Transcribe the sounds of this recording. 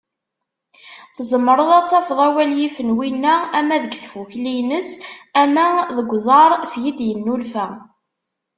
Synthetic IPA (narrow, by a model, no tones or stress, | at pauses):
θzəmːəɾˤəðˤɑt͡sːɑfðˤæwæljifənwinːææmæðəɡθfuçlinəsæmæðəɡʷzˤɑɾˤsjid̪jənːulfæ